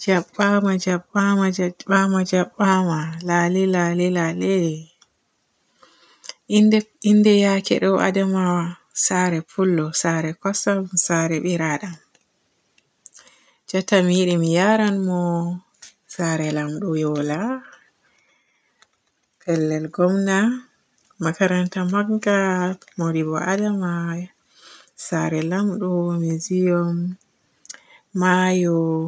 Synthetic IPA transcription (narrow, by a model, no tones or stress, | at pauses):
d͡ʒaɓːamad͡ʒaɓːamad͡ʒɓamad͡ʒaɓːamalalilalilale | indɛjakɛ̰ɗɔwa̰dɛmawasaɾɛpʰulːɔsaɾɛkɔsamsaɾɛɓiɾaɗam | d͡ʒatamjiɗimijaɾanmɔ | saɾɛlamɗujɔla | kɛlːɛlɡɔmna | makaɾantamaɡɡamodibɔ̰ʔadama | saɾɛlamɗɔmizijɔm | ajɔ